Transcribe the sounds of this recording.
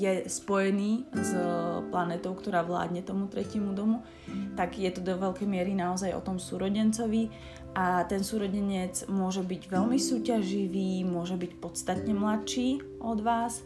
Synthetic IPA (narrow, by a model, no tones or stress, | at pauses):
jɛspɔjɛniːzplanɛːt̪ɔʊkt̪ɔɾaːʋla̰ːd̪ɲɛt̪ɔmut̪ɾɛcɪɛmud̪ɔmu | t̪aɡjɛt̪ɔd̪ɔʋɛlkɛjmɪɛɾinaɔzajʔɔ̰t̪ɔmsuːɾɔɟɛnt͡sɔʋi | ʔat̪ɛnsuːɾɔɟɛɲɛt͡smʊɔʒɛbiɟʋɛlmisuːcaʒiʋiːmʊɔʒɛbicpɔt̪t͡st̪at̪ɲɛmlatʃiː | ʔɔd̪ʋaːs